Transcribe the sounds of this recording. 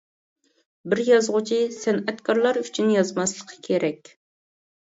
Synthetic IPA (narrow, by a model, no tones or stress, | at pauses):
bɪɾjɑzʁʊt͡ʃʰisɛnɛt̪kʰɑɾlˠɑɾyt͡ʃʰynjɑzmɑslˠəqʰːə̥kʲʰeɾɛkʲ